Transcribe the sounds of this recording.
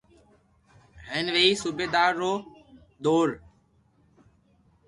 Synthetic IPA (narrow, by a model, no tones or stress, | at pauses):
ɦeːnʋeːiːsubeːd̪aːɾːoː | d̪oːɾ